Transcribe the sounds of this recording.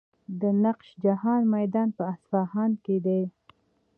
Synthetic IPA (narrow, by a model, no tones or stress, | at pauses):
d̪ənaqʃd͡ʒahɑnmajd̪ɑnpəasfɑhɑnked̪aj